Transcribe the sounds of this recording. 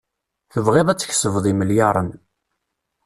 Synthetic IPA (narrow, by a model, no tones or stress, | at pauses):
θəvʁeðˤæt͡sːç̥səvðˤiməljɑɾˤən